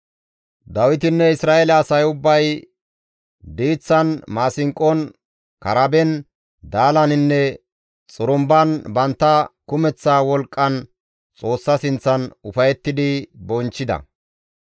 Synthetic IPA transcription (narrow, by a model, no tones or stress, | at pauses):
d̪ɐwɪt̪ɪnːɛɪsɾaːʔɛlɐɐsɐjʊbːɐj | d̪iːt͡sːɐnmaːsɪŋkʼɔn | kɐɾɐbɛn | d̪aːlɐnɪnːɛ | t͡sʼʊɾʊmbɐnbɐnt̪ːɐkʊmɛt͡sːaːwɔlkʼːɐn | t͡sʼo̞ːsːɐsɪnt͡sːɐnʊfɐjɛt̪ːɪd̪ɪbɔnt͡ʃːɪd̪ɐ̰